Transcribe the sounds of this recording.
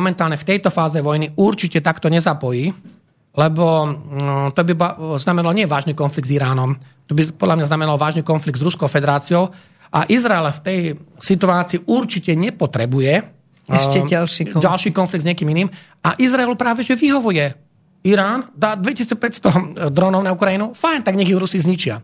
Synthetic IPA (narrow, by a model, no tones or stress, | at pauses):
mɔmɛnt̪aːlɲɛft̪ɛjt̪ɔfaːzɛʋɔjniuɾt͡ʃicɛt̪akt̪ɔɲɛzapɔjiː | lɛbɔ | t̪ɔbibznamɛnalɔɲɪɛʋaːʒniːkɔnfliɡ̪̚ziɾaːnɔm | t̪ɔbipɔd̪lamɲaznamɛnalɔʋaːʒniːkɔnfliɡ̚d̪zɾuskɔʊfɛd̪ɛɾaːt͡siɔʊ | ʔa̰ʔizɾaɛlft̪ɛjsit̪uaːt͡siːʔuɾt͡ʃicɛɲɛpɔt̪ɾɛbujɛ | ɛʃɛalʃiɟalʃiːkɔnfliɡ̪d̪zɲɪɛkiːminiːm | aʔizɾaɛlupɾaːʋɛʒɛʋiɦɔʋujɛ | iɾaːnd̪aːd̪ʋɛcisit͡spɛcst̪ɔd̪ɾɔnɔʊnaukɾainufajnt̪aɡɲɛɣjɛɾusizɲit͡ʃɪa̰